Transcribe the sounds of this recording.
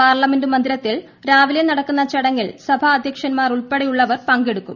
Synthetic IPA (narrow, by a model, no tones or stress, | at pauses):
paːrɭɐme̞ndɨmɐnd̪iɾɐt̪ːil | ɾaːʋile̞nɐɽɐkːunːɐt͡ɕɐɽɐŋːiɭsɐbʱɐːd̪ʱjɐkʂɐnmaːruɭpeɽɐjuɭːɐʋɐrpɐŋɡe̞ɽukːṵm